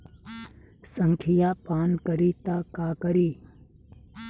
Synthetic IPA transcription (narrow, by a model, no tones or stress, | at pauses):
səŋkʰijaːpaːnkəɾiːt̪aːkaːkəɾiː